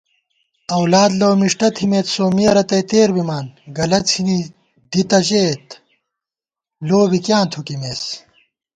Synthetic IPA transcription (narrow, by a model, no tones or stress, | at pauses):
ɐwlaːd̪loːmiʂʈɐt̪ʰimeːt̪soːmiɐɾɐt̪ɐjt̪eːɾbimaːnɡɐlɐt͡sʰini | d̪̥it̪ɐɕeːt̪ | loːbikjaːnt̪ʰukimeːs